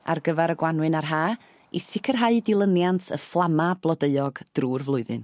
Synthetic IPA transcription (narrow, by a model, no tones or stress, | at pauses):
a̰rɡəvaɾəɡwanwɨnarɦaː | isɪkʰərɦaɨdɪlˠənjantʰə̰flˠamablˠɔdeɨɔɡd̥ruːrvlˠʊɨðɨ̰n